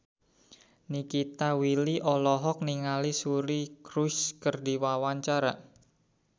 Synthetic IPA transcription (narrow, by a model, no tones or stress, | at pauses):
nikit̪awiliʔɔlɔɦɔk̚niŋalisuɾikɾuskərd̪i̤wawaɲt͡ʃaɾa